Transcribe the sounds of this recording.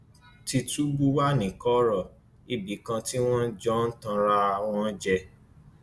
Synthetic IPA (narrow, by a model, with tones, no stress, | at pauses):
ti˧tu˦bu˦wa˦nĩ˨kɔ˦ɾɔ˦˨ | i˨bi˨˦kã˧ti˦w̃ɔ̃˦d͡ʒɔ˦n̩˦tã˧ɾa˧w̃ɔ̃˦d͡ʒɛ˧